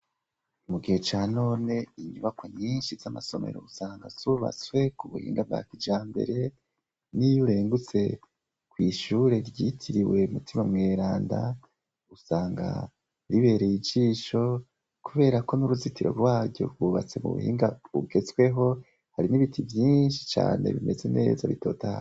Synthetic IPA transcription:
umuɡihet͡ʃaːno̞ːne̞iɲuβakwaɲiːnʃizamaso̞me̞̰ɾo̞̰usaːŋɡa̰z̥uβa̰t͡swe̞kuβuhḭːŋɡab̚ɡa̰kid͡ʒaːmbe̞̰ɾe̞ | nijuɾe̞ːŋɡut͡se̞ | kwiːʃuːɾe̞ɾɟitʰiɾiwe̞umutimamŋe̞ːɾaːnda̰ | usaːŋɡa̰ | ɾiβe̞ːɾejid͡ʒiːʃo̞ | kuβe̞ːɾako̞nuɾuzitiɾo̞̰ɾwaːɟo̞̰ɾɡuβa̰t͡se̞mṵβṵhḭːŋɡauɡe̞t͡swe̞ɦo̞ | haɾiniβitʰivjiːnʃi̥t͡ʃa̰ːne̞̰βime̞ze̞ne̞̰ːzaβito̞̰taa̰o

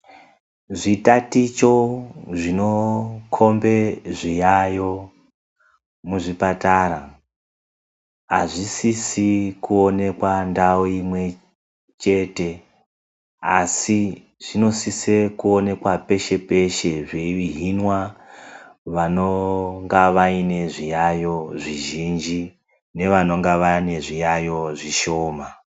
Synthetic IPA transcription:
ʐitatit͡ʃo̞ʐino̞kʰo̞mbe̞ʐijajo̞ | muʐipataɾa | a̰ʐisisikuo̞ne̞kwandaoimwe̞ | t͡ʃe̞te̞ | asi | ʐ̥ino̞sise̞kuo̞ne̞kwape̞ʃe̞pe̞ʃe̞ʐeiɦinwa | ʋano̞ŋɡaʋaine̞ʐijajo̞ʐiʒind͡ʒi | ne̞ʋano̞ŋɡaʋane̞ʐijajo̞ʐiʃo̞ːma

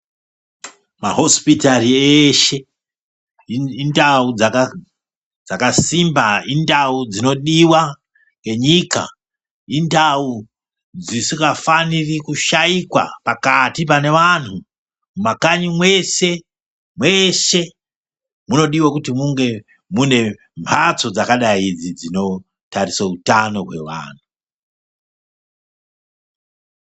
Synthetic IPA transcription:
ma̰ɦo̞spitarieːʃe̞ | indaud͡zaka | d͡zakasimbaindaud͡zino̞ɗiwa | ŋɡe̞ɲika̰ | indau | d͡zisikafanirikuʃaikwa̰pakatip̬ane̞ʋanu | mumakaɲimwe̞se̞ | mwe̞se̞ | muno̞ɗiwakutimuŋɡe̞ | mune̞ | mpʰat͡so̞d͡zakaɗaid͡zid͡zino̞ | tarisautano̞ɦwe̞̰ʋa̰ːn̤u

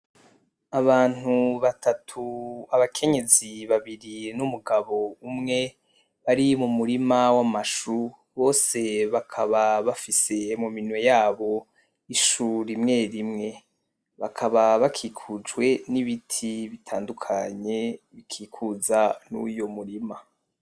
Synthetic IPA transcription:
aβaːn̥uβatatʰuaβakʰe̞ɲe̞ziβaβiɾinumuɡaβo̞umŋe̞ | βaɾimumuɾimawamaʃu | βo̞ːse̞βakʰaβaβafise̞muminwe̞jaːβo̞ | iʃuɾimŋe̞ɾimŋe̞ | βakʰaβaβakʰiːkʰud͡ʒwe̞niβitʰiβitʰaːndukʰaɲe̞βikʰiːkʰuzanṵjomuɾima

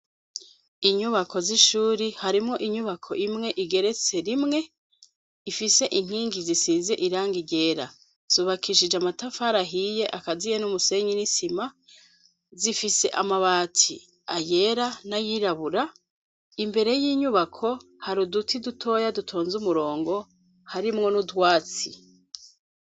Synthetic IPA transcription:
iɲuβakʰo̞ziʃuːɾihaɾimŋo̞ʔiɲuβakʰo̞̰ʔimŋe̞ʔiɡe̞ɾe̞t͡se̞ɾimŋe̞ | ifise̞ʔiŋ̥hiːŋɡizisiːnze̞ʔiɾaːŋɡiɟe̞ːɾa | z̥uβakʰiʃid͡ʒamatafaɾaɦije̞ʔakazijenumuse̞ɲinisima | zifise̞ʔa̰maβaːtʰḭ | aje̞ɾanajiɾaβuɾa | imbe̞ɾe̞jiːɲuβakʰo̞ | haɾudutʰidutʰo̞ːjadutʰo̞ːnzumuɾo̞ːŋɡo̞ | haɾimŋo̞nudwaːt͡si

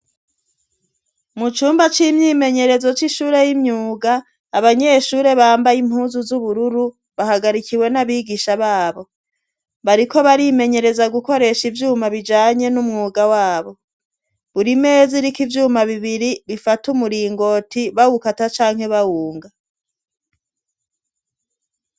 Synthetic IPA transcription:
mut͡ʃuːmbat͡ʃimɲiːme̞ɲe̞ɾe̞zo̞t͡ʃiʃuːɾe̞jimɲuːɡaː | βaɲe̞ʃuːɾe̞βaːmbajimhuːnzuzuβuɾuɾu | βahaɡaɾikʰiwe̞naβiːɡiʃaβaːβo̞ | βaɾiko̞βaɾime̞ɲe̞ɾe̞zaɡuko̞ɾe̞ʃivjuːmaβid͡ʒaːɲe̞numŋuːɡawaːβo̞ | βuɾimeːziɾikivjuːmaβiβiɾiβifatumuɾiːŋɡo̞tʰiβahukatat͡ʃaːŋ̥he̞βawuːŋɡa

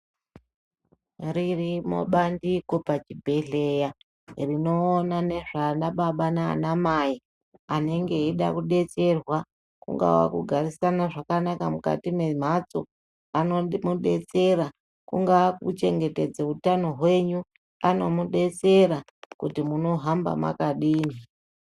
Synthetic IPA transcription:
ririmo̞̰ɓandiko̞pat͡ʃibʱe̞ɮe̞ja | rino̞ːnane̞ʐanaɓaɓana̰ːnamai | ane̞ŋɡe̞iɗa̰kuɗe̞t͡se̞rwa | kṵŋɡa̰wa̰kuɡʱarisanaʐakanakamuka̰timem̤at͡so | anomuɗe̞t͡se̞ɾa | kṵŋɡakṵt͡ʃe̞ŋɡe̞te̞d͡zeutano̞ɦwe̞ɲu | ano̞muɗe̞t͡se̞ɾa | kutimuno̞ɦamba̰ma̰kaɗiːni

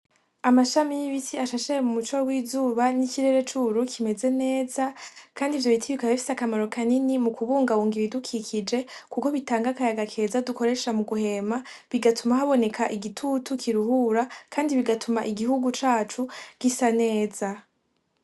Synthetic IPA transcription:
amaʃamijiβisiaʃaʃeɾemumut͡ʃowiːzuːβaniciɾe̞ɾe̞t͡ʃuɾukʰime̞ze̞ne̞ːzakʰaːndivjo̞itʰiβikahifi̥sakamaɾo̞kʰaninimukuβuːŋɡauːŋɡiβidukʰikʰid͡ʒe̞kuko̞βitaːŋɡakajaɡakʰe̞ːzaduko̞ɾe̞ːʃamuɡuhe̞ːma | βiɡatumahaβo̞ne̞kʰaʔiɡitʰutukʰiɾuhuːɾakʰaːndiβiɡatʰumaʔiɡihuɡut͡ʃaːt͡ʃuɡ̥isane̞ːza

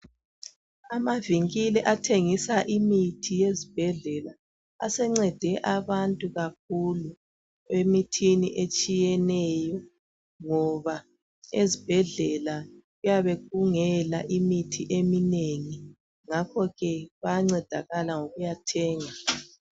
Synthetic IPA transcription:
amaviŋilɛʔatʰeŋisaʔimitʰijezib̥ʱɛɮɛla | asɛŋ͡ǀɛd̥ʱɛʔaβantʼuɣak̚ʰulu | emitʰiniʔet͡ʃʼijɛnɛjɔ | ŋɔβa | ezib̥ʱɛɮɛlaɣujaβeɣuŋɛlaʔimitʰiʔemineŋi | ŋakʰɔɣɛβajaŋ͡ǀɛd̥ʱaɣalaŋoɣujatʰɛːŋa

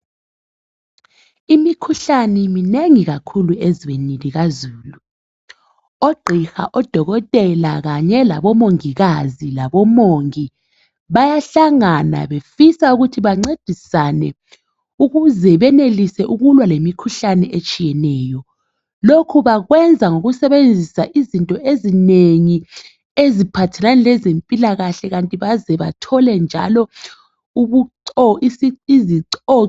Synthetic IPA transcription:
imikʰuɬanɛmineŋiɣ̬akʰulueziɓeniliɣ̬azuːlu | oɡ͡ǃʱixa̰ʔɔd̥ʱɔɣ̬ɔtʼɛlak̬aɲɛla̰ɓɔmoŋiɣ̬azilaɓɔmoŋi | ɓajaɬaŋana̰ɓefisauk̬utʰiɓaŋ͡ǀed̥ʱisanɛ | uɣuzɛβɛnelisɛʔuɣulwalemikʰuɬanɛʔet͡ʃʼijɛnɛːjɔ | lokʰuβaɣwɛnd͡zʱaŋoɣusɛβend͡zʱisaʔizintʼɔʔezineŋi | ezipʰatʰɛlanɛlɛzempʼilaɣaɬɛɣantʼiβazɛβa̰tʰɔlɛnd͡ʒʱa̰lɔ | uβuǀɔisiiziǀɔ

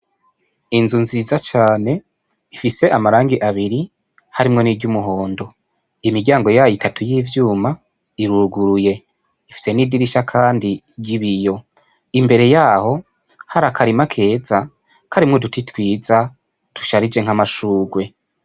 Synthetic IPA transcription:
inzunziːzat͡ʃaːne̞ | ifise̞ʔamaɾaːŋɡiʔaβiɾi | haɾimŋo̞niɟumuɦo̞ːndo̞ | imiɾɟaːŋɡo̞jaːjitʰatujiːvjuːma | iɾuɾuɡuɾuje̞ | ifi̥se̞nidiɾiʃakʰaːndi | ɟiβijo̞ | imbe̞ɾe̞jaːho̞ | haɾakʰaɾimakʰe̞ːza | kʰaɾimŋo̞dutitwiːza | tu̥ʃaɾid͡ʒe̞ŋ̥amaʃuːɡwe̞

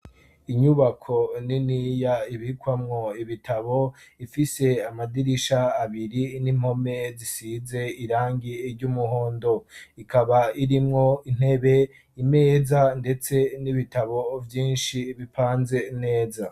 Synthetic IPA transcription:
iɲuβakʰo̞ninijaiβikwamŋo̞iβitʰaβo̞ifise̞amadiɾiʃaːβiɾinim̥ho̞me̞zisize̞iɾaːŋɡiːɾɟumuɦo̞ːndo̞ikʰaβaiɾimŋo̞in̥he̞βe̞ | ime̞ːzande̞t͡se̞niβitaβo̞vjiːnʃiβipʰaːnze̞ne̞ːza

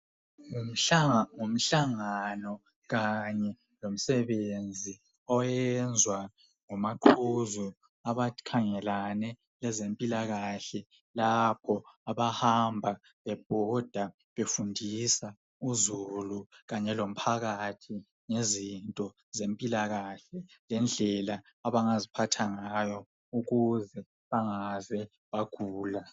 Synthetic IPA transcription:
ŋ̩ | ŋum̩ɬaŋanɔ | ɣaɲɛ | lom̩sɛβend͡zʱi | ɔjɛnd͡zʱwa | ŋɔmaǃʰuzu | aβakʰaŋɛlanɛ | lɛzempʼilaɣaɬɛ | lapʰɔaβahambʱa | βɛb̥̚ʱɔd̥ʱa | βefundʱisa | uzuluɣaɲɛlom̩pʰaɣatʰi | ŋezintʼɔ | zempʼilaɣaɬɛlɛnd͡ɮʱɛlaː | βaŋazipʰatʰaŋajɔ | uɣuzɛ | βaŋazɛ | βaɡ̥ʱuːla

